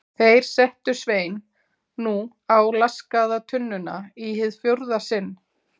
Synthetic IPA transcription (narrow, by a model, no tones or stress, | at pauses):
θejɾ̥sɛht̪ʏsveːjnː | u | awlaskaðat̪ʰʏnːʏna̰iɦɪðfjowɾðasɪnː